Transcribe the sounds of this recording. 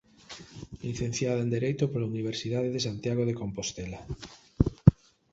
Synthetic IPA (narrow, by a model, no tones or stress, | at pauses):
liθen̟θjaðaend̪eɾejt̪opolauniβ̞eɾsiðaðeðesant̪jaɣ̞oðekompost̪ela